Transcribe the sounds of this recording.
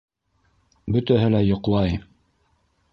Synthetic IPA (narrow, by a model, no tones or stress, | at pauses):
bɵ̆t̪æɦɘlæjŏqlˠɑj